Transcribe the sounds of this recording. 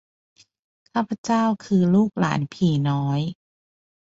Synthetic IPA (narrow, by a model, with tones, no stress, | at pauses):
kʰaː˥˩pʰːa˧˥t͡ɕaː˥˩wkʰɯː˧luː˥˩k̚la̰ː˩˦npʰiː˨˩nɔː˦˥j